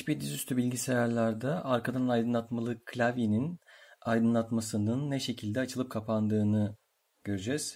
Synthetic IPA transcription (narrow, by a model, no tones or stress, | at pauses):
it͡ʃbiɾd̪izyst̪ʰybilʲɟisejaɾlʲˠaɾd̪aʔaɾkʰad̪annajd̪ɯnlˠat̪malˠɯkʰːlʲavininajd̪ɯnlˠat̪masɯnɯnːɛʃe̞cʰilʲd̪ɛat͡ʃʰɯlˠɯp̚kʰapand̪ɯːnɯ | ɟ̥ø̞ɾyd͡ʒɛz̥